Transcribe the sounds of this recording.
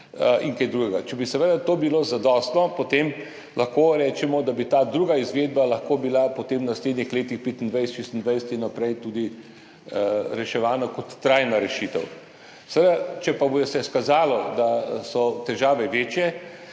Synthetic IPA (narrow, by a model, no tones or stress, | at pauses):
iŋkajd̪ɾuɡɛɡat͡ʃɛbisɛʋed̪at̪oːbilozad̪ɔːst̪nɔpot̪em | lɐxkoːɾɛːt͡ʃɛmɔd̪abit̪aːd̪ɾuɡaizʋeːd̪̚balɐxkoːbilapot̪emnasleːd̪nixleːt̪ixpeːt̪ind̪ʋajsɛt̪ʃeːst̪nd̪ʋajsɛt̪inːapɾɛjt̪uːd̪i | ɾɛʃɛʋaːnakɔt̪ːɾajnaɾɛʃiːt̪ɛw | sɛʋed̪at͡ʃɛpabɔjɛsɛskazaːlɔd̪asɔt̪ɛʒaːʋɛʋeːt͡ʃjɛ